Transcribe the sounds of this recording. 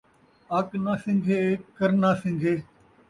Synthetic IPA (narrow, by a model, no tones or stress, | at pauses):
aknaːsɪ̃ŋɡʱeːkəɾnaːsɪ̃ŋɡʱeː